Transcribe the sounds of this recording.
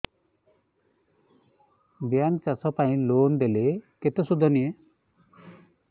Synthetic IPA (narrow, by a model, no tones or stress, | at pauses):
bjant͡ʃasɔpaĩloːnd̪eleket̪esud̪ʱːɔnije